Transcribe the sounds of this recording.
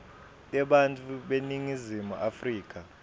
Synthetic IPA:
ɛɓantʼuɓeniŋizimuʔafriːk̬ʼa

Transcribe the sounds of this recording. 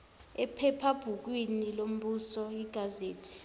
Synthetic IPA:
ɛpʰɛpʰab̥ʱuk̬winilom̩ɓusɔiɡ̥ʱazeːtʰi̥

